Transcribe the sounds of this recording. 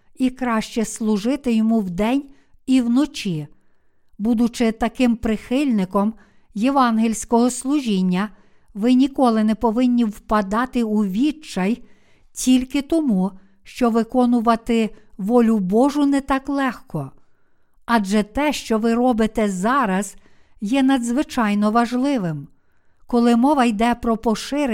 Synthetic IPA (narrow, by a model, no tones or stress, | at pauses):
ikɾɑʃt͡ʃɛslˠʊʒɪt̪ɪjɔmuwd̪ɛnʲ | iwnɔt͡ʃʲi | bud̪ʊt͡ʃɪt̪ɐkɪmpɾɪxɪlʲnɪkɔm | jeʋɑnɦilʲsʲkɔɦɔslˠʊʒʲinʲːɐ | ʋɪnʲikɔlˠɪnɛpɔʋɪnʲːiwpɐd̪ɑt̪ɪuʋʲit͡ʃɐj | tʲilʲkɪt̪ɔmu | ʃt͡ʃɔʋɪkɔnʊʋɐt̪ɪʋɔlʲʊbɔʒʊnɛt̪ɑklˠɛxkɔ | ɑd͡ʒɛt̪ɛʃt͡ʃɔʋɪɾɔbɪt̪ɛzɑɾɐz̥ | jɛnɐd̪zʋɪt͡ʃɑjnɔʋɐʒlˠɪʋɪm | kɔlˠɪmɔʋɐjd̪ɛpɾɔpɔʃɪɾ